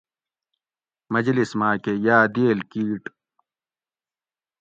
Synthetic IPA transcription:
mɐd͡ʑlismaːkejaːd̪eːlkiːʈ

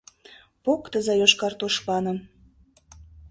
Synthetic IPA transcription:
pokt̪əzɑjoʃkɑrt̪oʃpɑnə̆m

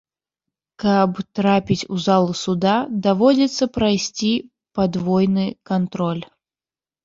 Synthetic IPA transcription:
kɐpt̪ɾapʲit͡sʲuzalˠusud̪ad̪avɔd͡zʲɛt̪sːɐpɾajsʲt͡sʲi | pad̪vɔjnɨkant̪ɾɔlʲ

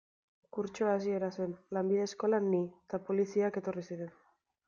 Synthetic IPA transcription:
kuɾt͡ʃoasie̞ɾase̞nlambiðe̞skolanːit̪apo̞lisiake̞t̪o̞risiɾe̞n

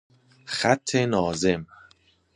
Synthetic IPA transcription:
xæt̪ʰːenɒːzem

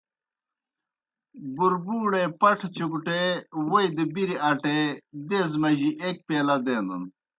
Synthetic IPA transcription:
buɾbuːɽepɐʈʰt͡ɕukuʈewoid̪ibiɾiɐʈed̪ezmɐʑiʔek̚peːlɐd̪eːnd̪ṵn

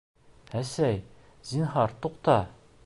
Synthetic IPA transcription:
æsæj | zinɦɑɾt̪uqt̪ɑ

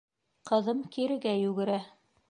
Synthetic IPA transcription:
qɤ̆ðɤmkiɾɘ̆ɡæjʉɡɘ̆ɾæ

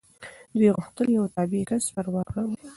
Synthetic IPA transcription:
d̪weɣʊxt̪əljawt̪ɑbikaspaɾwɑɣaw

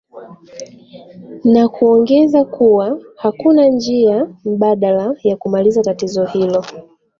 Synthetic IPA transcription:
nakuɔŋɡɛzakuwahakunand͡ʒiam̩ɓaɗalajakumalizatatizɔhilɔ

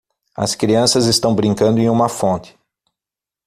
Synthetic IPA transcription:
ɐ̰skɾiɐ̃sɐzest̪ɐ̃w̃bɾĩŋkɐ̃nd̪ʊẽj̃ũmɐfõnt̪ɪ̥

